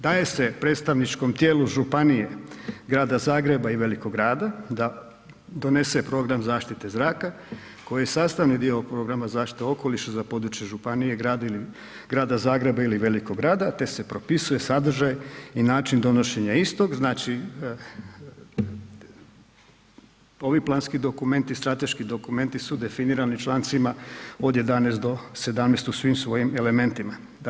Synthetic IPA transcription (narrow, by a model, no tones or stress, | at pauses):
d̪aːje̞se̞pɾet̪st̪aʋnit͡ʃko̞mt̪jeːluʒupanije̞ɡɾaːd̪azaːɡɾe̞baiʋe̞likoɡɾaːd̪ad̪a | d̪o̞ne̞se̞pɾo̞ːɡɾamzaːʃt̪it̪e̞zɾaːka | ko̞jijesaːst̪aʋnid̪iopɾo̞ɡɾamazaːʃt̪i̥t̪eo̞ko̞liʃazapo̞d̪ɾut͡ʃjeʒupanije̞ɡɾaːd̪ili | ɡɾaːd̪azaːɡɾe̞bailiʋe̞liko̞ɡɾaːd̪at̪e̞se̞pɾo̞pisuje̞sad̪r̩ʒajinaːt͡ʃind̪o̞no̞ʃe̞ɲaist̪o̞kznaːt͡ʃi | o̞ʋiplˠaːnskid̪o̞kume̞nt̪ist̪ɾat̪e̞ʃkid̪o̞kume̞nt̪isud̪e̞finiːɾanit͡ʃlˠaːnt̪simao̞d̪je̞d̪anest̪d̪o̞se̞d̪amnest̪usʋimsʋo̞jime̞le̞me̞nt̪ima